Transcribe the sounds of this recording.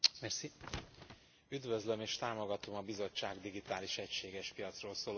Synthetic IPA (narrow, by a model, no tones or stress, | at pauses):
mɛrsi | yd̪vøzlømeːʃt̪aːmo̞ɡɒt̪o̞mɒbizo̞t͡ʃːaːɡd̪iɡit̪aːliʃɛcʃeːɡɛʃpijɒt̪sroːlsoːl